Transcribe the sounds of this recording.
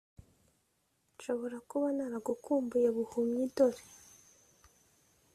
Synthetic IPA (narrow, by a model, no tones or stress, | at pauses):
ʃo̞βo̞ɾakuβanaɾaɡukuːmbujeβuhumɲidoɾe